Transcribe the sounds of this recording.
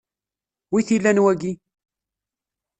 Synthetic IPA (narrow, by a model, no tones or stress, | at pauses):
wiθilːænwæɡi